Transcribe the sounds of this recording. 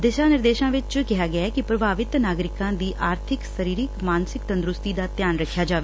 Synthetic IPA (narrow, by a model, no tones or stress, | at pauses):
d̪ɪʃaːnɪɾd̪eːʃãːʋɪt͡ʃkɪɦaːɡɪaɛːkɪpɾəbʱaːʋɪt̪naːɡɾɪkãːd̪iːʔaːɾt̪ʰɪksəɾiːɾɪkmaːnsɪkt̪ə̃nd̪ɾʊst̪iːd̪aːt̪jaːnɾəkʰːjaːd͡ʒaːʋeː